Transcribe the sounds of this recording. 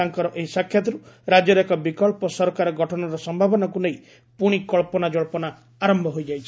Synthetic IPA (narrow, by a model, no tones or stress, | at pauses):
aŋkɔɾɔʔeisakʰːjat̪ɔɾu | ɾad͡ʒɔɾekɔbikɔɭpɔsɔɾɔkaɾɔɡʱɔʈʰɔnɔɾɔsɔmbʱabɔnɔkunej | puɽ̃ikɔɭpɔnad͡ʒɔɭpɔnaː | ɾɔmbʱɔɦojd͡ʒajt͡ʃʰi